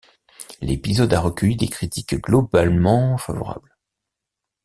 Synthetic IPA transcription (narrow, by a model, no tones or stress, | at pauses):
lepizɔd̪aʁəkʲœjid̪ekχit̪ikɡlɔbalmɑ̃fa̰vɔ̰ʁa̰bl